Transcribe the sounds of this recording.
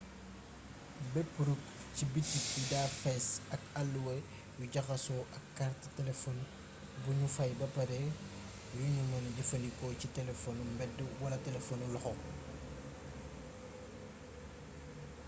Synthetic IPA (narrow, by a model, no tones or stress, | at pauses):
bɛpːɾuk | cibitːijudafɛsɐkɐlːuwɐ | juɟɐxɐsɔʔɐkːarttɛlɛfɔn | buɲufɐjbɐpɐɾɛ | juɲumɐnɟɐfɐnikɔːcitɛlɛfɔnumbɛdːuwɐlɐtɛlɛfɔnulɔxɔ